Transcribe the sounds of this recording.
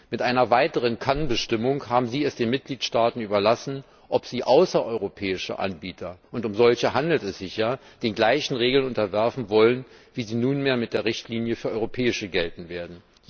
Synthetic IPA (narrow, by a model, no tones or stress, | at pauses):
mɪtʔaɪnɐvaɪtəʁ̞ənkʰanbəʃtɪmʊŋhaːbm̩ziːɛsd̥eːnmɪt̚ɡ̥liːtʃtaːtn̩yːbɐlasn̩ | ʔɔpz̥iːʔaʊsɐʔɔʏʁopʰɛːɪʃə̰ʔa̰nbiːtʰɐʔʊntʊmzɔlçəɦandl̩tɛsz̥ɪçjaːd̥eːnɡlaɪçn̩ʁeːɡl̩nʔʊntɐvɛɐfn̩vɔlənviːziːnuːnmeːɐmɪt̚d̥eːɐʁɪçtʰliːnjəfyːɐʔɔʏʁopʰɛːɪʃəɡɛltn̩veːɐdn̩